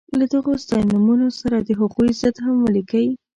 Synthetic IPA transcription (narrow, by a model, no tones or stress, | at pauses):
lad̪aɣost̪ɑjnumunosaɾad̪əɦaɣuizəd̪ɦamwalikawi